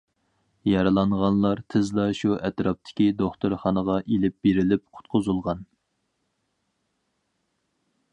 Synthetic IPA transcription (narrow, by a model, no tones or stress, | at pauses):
jɑɾɨlˠɑɴʁɑnlˠɑɾt̪ʰɨzlˠɑʃuʔɛt̪ɾɑp̚t̪ʰɪ̥kʲid̪oχt̪ʊɾχɑnəʁɑʔelɪp̚beɾɪlɪp̚qʰʊ̥t̪̚qʰʊzulˠʁɑn